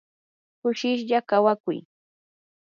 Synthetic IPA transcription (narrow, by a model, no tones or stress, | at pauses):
kʊʃɪʃʎakawakʊ̰j